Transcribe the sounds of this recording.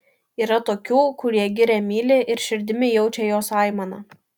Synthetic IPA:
iːɾɐt̪oːkʲuːkʊɾʲiɛɡʲɪɾʲɛmʲiːlʲɪʔɪɾʃʲɪɾʲd̪ʲɪmʲɪjɛʊt͡ʃʲɛjoːsɑˑɪmɐnɐ

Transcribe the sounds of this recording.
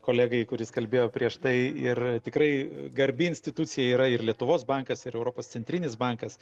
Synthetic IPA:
koːlʲæːɡɐɪkʊɾʲɪskɐlʲbʲeːjoːpʲɾʲiɛʃt̪ɐɪɪrt̪ʲɪkɾɐɪɡɐɾʲbʲɪɪnʲsʲt̪ʲɪt̪ut̪sʲɪjɛiːɾɐɪrlʲiɛt̪ʊʋoːsbɐŋkɐsɪɾɛʊɾoːpoːst̪sʲɛnʲt̪ʲɾʲɪnʲɪsbɐŋkɐs

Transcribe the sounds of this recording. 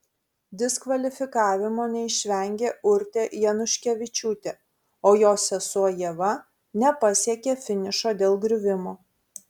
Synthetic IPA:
d̪ʲɪskʋɐlʲɪfʲɪkɑːʋʲɪmoːnʲɛɪʃʲʋʲɛŋʲɡʲeːʊɾʲt̪ʲeːʔjɛnʊʃʲkʲɛʋʲɪt͡ʃʲuːt̪ʲeː | oːjoːsʲɛsuɔjiɛʋɐ | nʲɛpɐsʲiɛkʲefʲɪnʲɪʃoːd̪ʲeːlˠɡɾʲʊʋʲɪmoː

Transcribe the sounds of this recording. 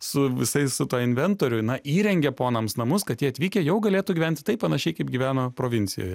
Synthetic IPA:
sʊʋʲɪsɐɪsʊt̪uɔɪnʲʋʲɛnt̪oːɾʲʊɪnɐiːɾʲɛŋʲɡʲɛpoːnɐmsnɐmʊskɐt̪jʲiɛɐt̪ʲʋʲiːkʲɛjɛʊɡɐlʲeːt̪uɡʲiːʋʲɛnʲt̪ʲɪ̥t̪ɐɪppɐnɐʃʲɛɪkɐɪp̚ɡʲiʋʲæːnoːpɾoːʋʲɪnʲtsʲɪjo̰ːjɛ

